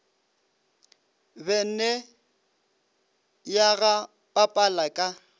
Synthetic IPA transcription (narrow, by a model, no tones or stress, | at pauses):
bɛn̩nɛ | jaɣa | pʼapʼalakʼa